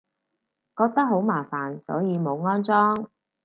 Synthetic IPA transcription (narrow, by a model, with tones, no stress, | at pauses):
kɔː˧k̚t̪ɐ˥k̚ɦo˨˥wmaː˨˩faː˨˩nsɔ̰ː˨˥jiː˨˧mo˨˧wŋɔː˥nt͡sɔː˥ŋ